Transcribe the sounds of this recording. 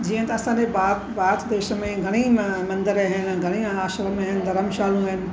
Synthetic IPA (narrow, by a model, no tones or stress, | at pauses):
d͡ʑiːə̃t̪ɐɐsãːnebaː | baːt̪ʰd̪eːʃəmẽɡʱɐɽ̃imɐ̃nd̪əɾɦɪnɪ̆ɡʱɐɽ̃iaːʃɾəmẽɦɪnɪd̪ʱɐɾəmʃaːlũɦɪnɪ̆